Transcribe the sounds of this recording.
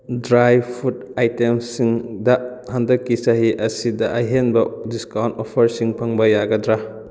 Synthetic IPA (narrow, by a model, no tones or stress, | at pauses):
dɾajpʰut̚ajtemsiŋdɐhandɐkːisaɦiʔɐsidɐʔɐɦenbɐdiskawntopʰɐɾsiŋpʰɐŋbɐjaɡɐdɾa